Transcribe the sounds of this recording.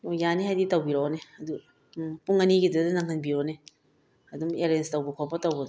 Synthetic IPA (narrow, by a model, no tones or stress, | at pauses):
ojanihajditɐwbiɾooneɐdu | puŋɐniɡidɐdɐnaŋɦɯnbiɔne | ɐdumeɾenstɐwbɐkʰɔpɐtɐwbɐdɔ